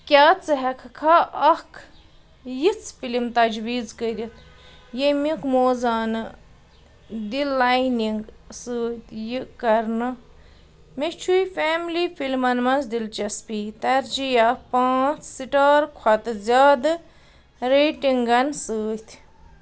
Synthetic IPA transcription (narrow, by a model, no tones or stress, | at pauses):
kʲaːt͡sɨɦɛkʰkʰaɐkʰ | jit͡sʰfilimt̪ɐd͡ʒwiːzkəɾʲit̪ʰ | jemikmoːzaːnɨ | d̪ilːajniŋɡsɨːt̪jikɐɾnɨ | met͡ʃʰujfeːmlifilmɐnmɐnzd̪ilt͡ʃɐspiːt̪ɐɾd͡ʒijapãːt͡sʰsiʈaːɾkʰɐt̪ɨzʲaːd̪ɨ | ɾeːʈiŋɡɐnsɨːt̪ʰ